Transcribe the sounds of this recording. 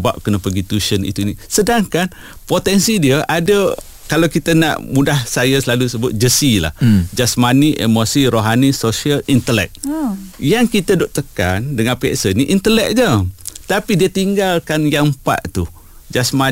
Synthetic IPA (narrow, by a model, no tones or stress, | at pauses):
ba̰ʔ̚kənəpəɡit̪uʃənḭt̪unisədaŋkan | pot̪ɛnsidiəʔadə | kalawkit̪əna̰ʔmudahsajasəlalusəbʊt̪̚d͡ʒəsila̰hd͡ʒasmaniʔḛmosiɾoɦanisosiəlint̪əlɛ̰k̚jaŋkit̪əduʔt̪əkandəŋanpia̰ʔsəniʔint̪əlɛk̚d͡ʒət̪apidiət̪iŋɡalkanjampa̰ʔt̪u | d͡ʒasma